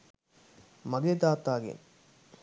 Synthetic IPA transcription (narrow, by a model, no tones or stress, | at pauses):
mɐɡed̪aːt̪aːɡḭn